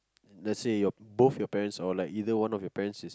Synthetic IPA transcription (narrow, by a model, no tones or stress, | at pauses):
lɛtsejɔbofjɔpɛɹə̃nsalaɪkidəwãnɔfjɔpɛɹə̃nsis